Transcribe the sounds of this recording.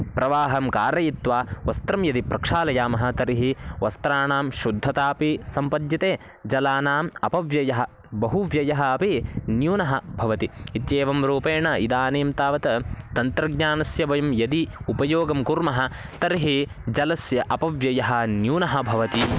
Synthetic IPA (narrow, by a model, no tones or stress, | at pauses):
pɾɐʋaːɦɐmkaːɾɐjit̪ʋaːʋɐst̪ɾɐmjɐd̪ipɾɐkʂaːlɐjaːmɐɦɐ̆t̪ɐɾiɦiʋɐst̪ɾaːnaːmʃud̪ʱːɐt̪aːpisɐmpɐd̪jɐt̪eː | d͡ʒɐlaːnaːmɐ̰pɐʋjɐjɐɦɐ̆ | bɐɦuʋjɐjɐɦɐɐpinjuːnɐɦɐbʱɐʋɐt̪iit̪jeːʋɐmɾuːpeːɳɐid̪aːneːmt̪aːʋɐt̪ɐt̪ɐnt̪ɾɐɡɲaːnɐsjɐʋɐjɐmjɐd̪iupɐjoːɡɐmkuɾmɐɦɐ̆ | t̪ɐɾiɦi | d͡ʒɐlɐsjɐʔɐpɐʋjɐjɐɦɐ̆njuːnɐɦɐ̆bʱɐʋɐt̪i